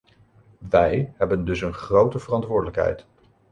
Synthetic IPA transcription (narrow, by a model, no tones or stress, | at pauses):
ʋɛjɦɛbəndɵsənχrowtəvərɑntʋʊːɹdələkɦɛ̰jt